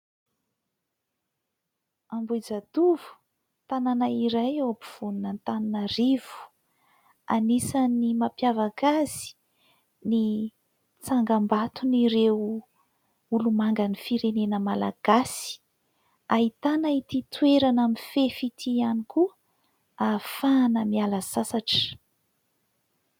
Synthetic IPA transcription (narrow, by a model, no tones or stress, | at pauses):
ambud͡zat̪uvu̥ | t̪ananaiɾajewapuv̥ununant̪aninərivu̥ | a̰nisanimapjavakazi̥ | ni | t͡saŋɡambat̪uniɾew | ulumaŋɡanifiɾenenəmala̰ɡ̥asi̥ | aɦit̪anait̪it̪weɾanamifefit̪ʰianikuə | afanəmialəzasaʈ͡ʂə̥